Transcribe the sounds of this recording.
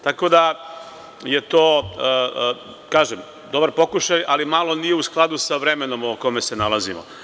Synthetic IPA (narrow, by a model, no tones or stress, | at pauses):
t̪ako̞d̪a | je̞t̪oː | kaːʒem | d̪obaɾpo̞kuʃajalimalo̞nije̞usklˠad̪usaʋɾeme̞no̞mokome̞senalazḭmo̰